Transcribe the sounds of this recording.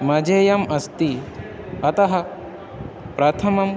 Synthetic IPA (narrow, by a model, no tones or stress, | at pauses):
mɐd͡ʒejɐmɐst̪i | ɐt̪ɐɦɐ | pɾɐt̪ʰɐmɐm